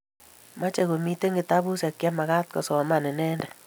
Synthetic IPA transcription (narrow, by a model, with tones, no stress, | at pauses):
ma˦t͡ʃɛ˨ko˨mi˦te˦ŋɡɪ˨ta˦bu˦sɛ˨kjɛ˦ma˨ka˦t̚kɔ˨sɔ˨ma˨nɛ˨nɛ˦ndɛ˨